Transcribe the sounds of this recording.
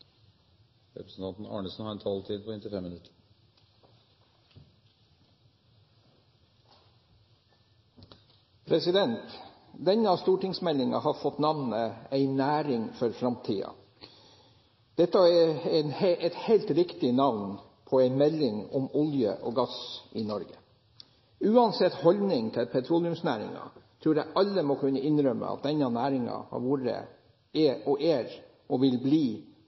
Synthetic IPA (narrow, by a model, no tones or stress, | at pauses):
ɾɛ̰pɾəsn̩t̪ʰɑnt̪n̩ɑ̰ːɳəsn̩hɑːɾɛnt̪ʰɑlt̪ʰiːd̪̚pʰɔɪnt̪ɪfɛmːɪnʉt̪ʰːə̥ɾ | pʰɾɛsɪd̪ɛnt̪ | d̪ɛɲəɑst̪uːʈɪŋsmɛlɪŋɑ̰hɑːɾfɔt̪nɑʋnəæɪnæːɾɪŋfɔɾfɾɑmt̪ʰiːɑ̰ | d̪̥ɛt̪ːɑɛnhɛʔɛt̪hɛɪlt̪ɾɪkt̪ɪnɑʋn | pʰɔæɪmɛlːɪŋɔmʊljə̰ʔɔɡɑsʔɪnɔɾɡə | ʉːɑnsɛt̪ːhɔlnɪŋt̪ʰɪlpʰɛt̪ʰɾuːlɪʉmsnæ̰ːɾɪ̰ŋɑ̰t̪ʰɾuːɾæʔɑlːəmɔkʉnːəɪnɾœmːə̰ɑ̰t̪̚d̪ɛnːɑnæːɾɪŋɑ̰hɑ̰ɾʋuːɾə̰ | eɔʔeːɾ | ʔɔʋɪlbliː